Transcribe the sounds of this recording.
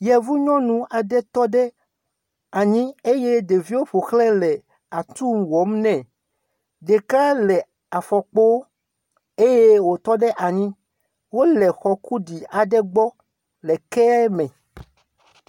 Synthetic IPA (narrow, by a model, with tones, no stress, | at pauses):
jɛ˨vu˦ɲɔ̃˦nũ˦a˨ɖɛ˦t̪ɔ˦ɖɛ˦ | a˨ɲĩ˦e˦je˦de˨vi˦wo˦ɸo˨xlɛ̃˦lɛ˨ | a˨t̪u˦mwɔ˨˦mnɛ̃˨ | ɖe˨ka˦lɛ˨ | a˨fɔ˨k͡po˦ | e˦je˦wo˨t̪ɔ˦ɖɛ˦ʔa˨ɲĩ˦ | wo˦lɛ˨xɔ˨ku˦ɖi˨a˨ɖɛ˦ɡ͡bɔ˦ | lɛ˨kɛ˦ɛ˦mɛ̃˨